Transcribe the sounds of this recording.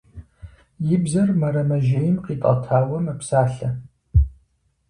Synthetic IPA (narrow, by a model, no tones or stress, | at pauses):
jɪbzɐrmɐɾɐmɐʒejɪmqiːtʼɐ̰tʰaːwɐmɐpsaːɬɐ